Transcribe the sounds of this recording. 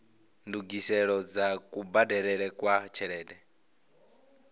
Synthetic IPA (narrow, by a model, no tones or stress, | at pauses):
nduɡisɛɺɔd͡zakʼubadɛɺɛɺɛkʼwat͡ʃʰɛɺɛːdɛ